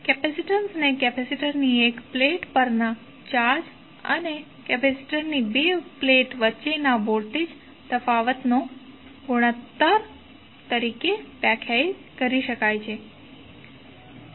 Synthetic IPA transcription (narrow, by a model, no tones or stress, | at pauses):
kɛpɛsiʈənsnekɛpɛsiʈəɾniekpleʈpəɾna | t͡ʃaɾd͡ʒ | ə̰ne | kɛpɛsi̥ʈəɾnibepleʈʋətːt͡ʃenaboɾʈ̪ed͡ʒ | t̪əfaʋət̪no | ɡoɽ̃ət̪ːaɾ | t̪əɾikepɛkʰjaj | kəɾiʃəkajt͡ʃʰe